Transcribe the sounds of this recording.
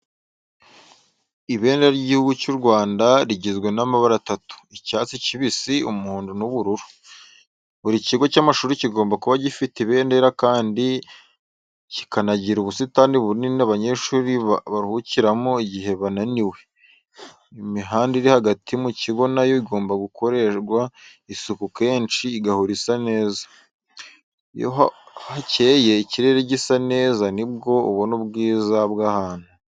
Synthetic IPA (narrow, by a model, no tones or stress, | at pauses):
iβe̞ːndeɾaiɟihuɡucuːɾɡwaːndaɾiɟezɡwe̞namaβaɾatatu̥icaːt͡siciβisiumuhuːndunuβuɾuɾu̥ | βuɾiciɡo̞caːmaʃuːɾiciɡo̞ːmbakuβaɟifitiβe̞ːnde̞ɾakaːndi | ci̥kanaɟiɾuβusitaːndiβuninaβaɲeʃuːɾiβaɾhuciɾamoiɟiɦe̞βananiwe̞ | imiɦaːndiɾihaɡatʰimuciɡo̞najoɡoːmbaɡukʰo̞ɾe̞ʃɡwaisukuke̞ːnt͡ʃiːɡahuɾisane̞ːzḁ | jo̰ɦhace̞ːje̞iciɾe̞ɾeɟisane̞ːzanib̚ɡo̞uβonubɡiːzabɡahaːn̥hu